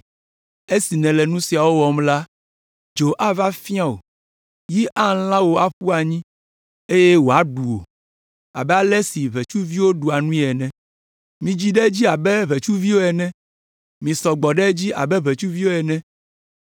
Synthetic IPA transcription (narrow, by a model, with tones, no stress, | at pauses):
e˦si˨nɛ̃˨lɛ˨nũ˦si˨a˨wo˦wɔ˨mla˦ | d͡ʒo˨ʔa˦va˦fi˦a˦o̰˨ | ji˦ʔa˦lã˦wo˨a˦ɸu˦a˨ɲĩ˦ | e˦jɛ˦wo˨a˦ɖu˨o̰˨ | a̰˨bɛ˦a˦lɛ˦si˨βɛ˨t͡ʃu˦vi˦wo˦ɖu˨a˨nũ˦ĩ˦ɛ˨nɛ̃˨ | mĩ˨d͡ʑi˦ɖɛ˦d͡ʑi˦a˨bɛ˦βe˨t͡ʃu˦vi˦wo˦ɛ˨nɛ̃˦ | mĩ˨sɔ˨ɡ͡bɔ˨ɖɛ˦d͡ʑi˦ʔa̰˨bɛ˦βe˨t͡ʃu˦vi˦wo˦ɛ˨nɛ̃˦